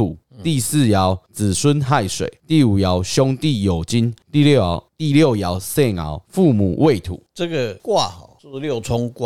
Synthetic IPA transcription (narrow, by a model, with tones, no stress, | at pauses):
u˨˩ | t̪i˥˧s̩˥˨ja˨˦ʊt͡sɹ̩˨˩swə˦nɦa˥˨ɪswḛ˨˩ɪt̪i˥˨u˨˩ja˨˦ʊɕjɔ˦ŋt̪i˥˨jo˨˩ʊt͡ɕi˦nt̪i˥˨ljo˥˨˦t̪i˥˨ljo˥˨ja˨˦ʊse˥˨ŋa̰˨˧˦ʊfu˥˨mṵ˨˩we˥˨ɪt̪ʰṵ˨˩˦t͡sə˥˨ɡə˨kwa˥˨hɔ˨˩˦ljo˥˨ʊt͡sʰɔ˦ŋkwa˨